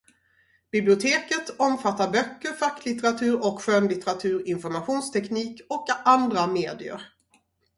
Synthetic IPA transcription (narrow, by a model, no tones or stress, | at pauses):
b̥ɪblɪʊt̪ʰeːkət̪ɔmfat̪ːaɾbœkːəɾfakːlɪt̪ɛɾat̪ʰʉ̟ːɾɔkɧøːnlɪt̪ɛɾat̪ʰʉ̟ːɾɪnfɔɾmaɧuːnst̪ʰɛkniːkɔkand̪ɾameːd̪ɪə̰ɾ